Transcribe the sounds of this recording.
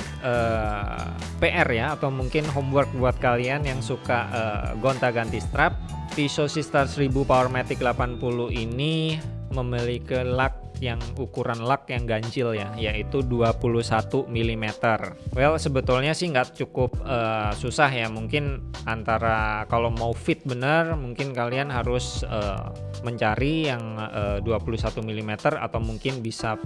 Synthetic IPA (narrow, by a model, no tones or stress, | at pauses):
ʔəː | peʔɛrjaːt̪awmuŋkɪnɦɔmwərk̚buat̪̚kalianjaŋsukaʔə̰ɡont̪aɡant̪ist̪ɾap̚t̪isosist̪arsɾibupaɔrmat̪ɪk̚dlapanpuluini | məməlikilak̚jaŋukuɾanlak̚jaŋɡaɲt͡ʃɪljajait̪uduapuluhsat̪umilimet̪ərwɛlsəbət̪ulɲasɪhŋɡaʔt͡ʃukʊp̚əːsusaɦjamuŋkɪnant̪aɾakalomaufɪt̪̚bənərmuŋkɪnkalianɦaɾʊsə̰ːməɲt͡ʃaɾijaŋəːduapuluhsat̪umilimet̪əra̰t̪awmuŋkɪnbisa